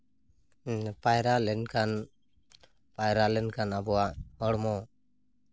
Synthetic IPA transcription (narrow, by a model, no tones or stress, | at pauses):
pajɾalɛnkan | pajɾalɛnkanabɔwaʔhɔɽmɔ